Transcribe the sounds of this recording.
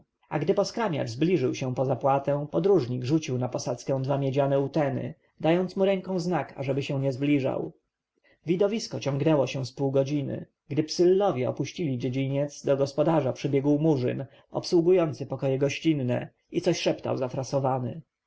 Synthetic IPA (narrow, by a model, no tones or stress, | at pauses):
a̰ɡd̪ɘpɔskɾamʲja̰t͡ʂzblʲiʐɘwɕɛ̃pɔzapwat̪ɛ̃pɔd̪ɾuʐɲiɡʐut͡ɕiwnapɔsat̪skɛ̃w̃d̪vamʲjɛd͡ʑanɛut̪ɛnɘ̰ | d̪ajɔnt̪smuɾɛŋkɔ̃w̃znaka̰ʐɛbɘɕɛ̃w̃ɲɛzblʲiʐa̰w | vʲid̪ɔvʲiskɔt͡ɕɔŋɡnɛwɔɕɛw̃spuwɡɔd͡ʑinɘ̰ | ɡd̪ɘpsɘlːɔvʲjɛɔ̰puɕt͡ɕilʲid͡ʑed͡ʑiɲɛt̪zd̪ɔɡɔspɔd̪aʐapʂɘbʲjɛɡwmuʐɘ̰n | ɔ̰pswuɡujɔnt̪sɘpɔkɔjɛɡɔɕt͡ɕinːɛ̰ | it̪sɔɕʂɛpt̪a̰wzafɾasɔvanɘ̰